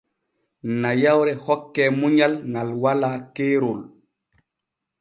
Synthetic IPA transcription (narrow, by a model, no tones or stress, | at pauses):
najawɾɛhɔkːɛːmuɲalŋalwalaːkeːɾol